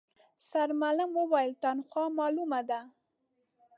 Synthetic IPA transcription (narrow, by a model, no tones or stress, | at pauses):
saɾmalamwəwajəlt̪anxwɑmɑlumad̪a